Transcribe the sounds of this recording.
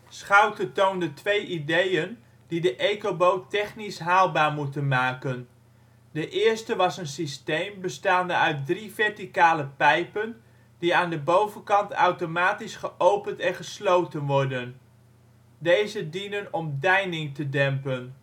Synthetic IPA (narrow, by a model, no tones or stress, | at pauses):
sχawtətowndətʋejʔidejən | d̥idəʔejkobowtɛχnisɦaːlˠbaːɹmutənmaːkən | dəʔɪːɹstəʋɑsənsistejmbəstaːndəœɥt̚drivɛɹtikaːləpɛjpən | diaːndəbowvənkɑntʰœ̰wtomaːtisχəʔowpəntɛnχəslowtənʋɔɹdən | dejzədinənɔmdɛjnɪŋtədɛmpən